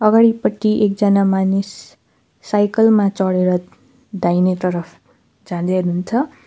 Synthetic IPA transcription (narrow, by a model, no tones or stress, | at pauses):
ʌɡaɽipʌʈːiʔek̚d͡zʌnamanisː | ajkʌlmat͡sʌɽeɾʌ | d̪ajnet̪ʌɾʌpʰ | d͡zãd̪eɾɦunt͡sʰʌ